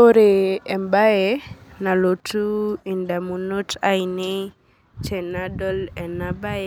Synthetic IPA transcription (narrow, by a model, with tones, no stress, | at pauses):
o˦ɾe˨ɛ˨mba˦e˨na˨lo˨tu˦ɪ˨nda˨mu˨no˦tʰa˦inɪ˦ | t͡ʃɛ˨na˦dɔ˦lɛ˨na˦ba˦jɛ˦